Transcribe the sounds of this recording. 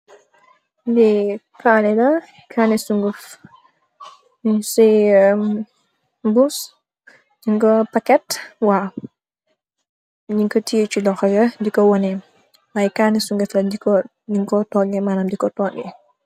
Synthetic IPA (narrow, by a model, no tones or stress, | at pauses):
dɛ | kanɛlɐ | kʰaːnisuŋɡəf | si | bus | d͡ʒiŋkɔpakɛtwa | ɲiŋkɔtʰiət͡ʃulɔxɐɡɐdikɔwɔnɛ | majkanisuŋɡəflɐdikɔ | ɲiŋkɔtɔːɡɛmaːnaːmdikɔtɔːŋɛ